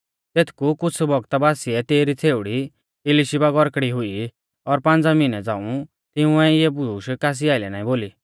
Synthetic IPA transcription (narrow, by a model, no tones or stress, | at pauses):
t̪eːt̪ʰkukʊt͡sʰbɔɡt̪abaːsiɛt̪eːɾit͡sʰeːʊɽi | ɪliʃibaɡɔɾkɽiɦʊi | ɔɾpãnd͡zamɪnɛd͡zãːũ | t̪ɪũɛɪjɛbʊɾuːʃkaːs̬iaːɪlɛnaːĩboːliː